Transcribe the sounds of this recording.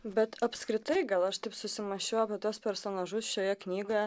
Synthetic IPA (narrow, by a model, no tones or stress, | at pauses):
bʲɛt̪ɐpskɾʲɪt̪ɐɪɡɐlˠɐʃt̪ɐɪpsʊsʲɪmɐʃʲoːɐpʲɪt̪uɔspʲɛɾsoːnɑʒʊsʃʲoːjɛknʲiːɡoːjɛ